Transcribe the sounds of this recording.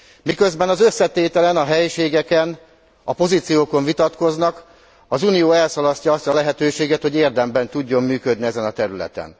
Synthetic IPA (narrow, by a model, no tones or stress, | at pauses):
mikø̞zbɛnɒzøsːɛt̪eːt̪ɛlɛnɒɦɛjʃeːɡɛkɛn | ɒpo̞zit̪sijoːko̞ɱvit̪ɒt̪ko̞znɒk | ɒzunijoːɛlsɒlɒscɒɒst̪ɒlɛɦɛt̪øːʃeːɡɛt̪ho̞ɟeːrd̪ɛmbɛnt̪uɟːo̞mːyːkø̞d̪niɛzɛnɒt̪ɛɾylɛ̰t̪ɛ̰n